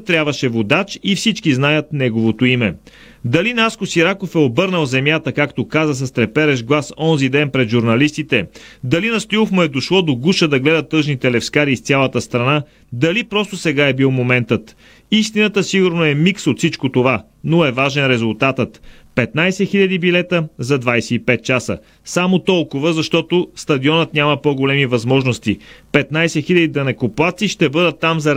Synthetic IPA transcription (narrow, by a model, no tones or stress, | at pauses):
t̪ːɾjabvəʃɛvod̪at͡ʃifsit͡ʃkiznajət̪nɛɡovot̪oimɛ | d̪ɐlinaskosiɾakofɛobɤɾnəlˠzɛmjat̪əkakt̪okazəs̬ɐst̪ɾɛpɛɾɛʒɡlˠasɔnzid̪ɛnpɾɛd̪ʒuɾnɐlist̪it̪ɛd̪ɐlinɐst̪iofmoɛd̪oʃlˠɔd̪oɡuʃəd̪ɐɡlɛd̪ət̪ːɤʒnit̪ɛlɛfskaɾissʲjalˠət̪əst̪ɾɐna | d̪ɐlipɾɔst̪osɛɡaɛbilˠmomɛnt̪ət̪ | ist̪inət̪əsiɡʊɾnoɛmiksot̪fsit͡ʃkot̪ova | noɛvaʒɛnɾɛzʊlˠt̪at̪ət̪pɛt̪najsɛxiʎʲɐd̪ibilɛt̪əzɐd̪vajsɛipɛt̪̚t͡ʃasə̰ | samot̪ɔlˠkʊvəzɐʃt̪ɔt̪ost̪ɐd̪iɔnət̪nʲaməpoɡolɛmivɐzmɔʒnost̪ipɛt̪najsɛxilʲɐd̪id̪ɐnɛkoplˠat̪siʃt̪ɛbɤd̪ət̪ːamzɐ